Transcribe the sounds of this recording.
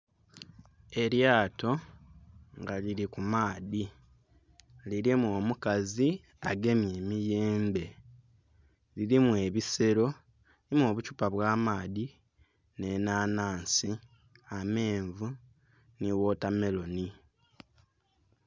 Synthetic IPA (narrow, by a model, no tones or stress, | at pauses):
e̞ɾjaːto̞ | ŋɡaliɾikumaːði | liɾimuoːmukazi | aɡe̞mje̞ːmije̞ːmbe̞ | liɾimue̞βise̞ɾo̞ | iimo̞ːβucupaβwaːmaːði | ne̞naːnaːnsi | ame̞ːɱvu | niwo̞tame̞lo̞ni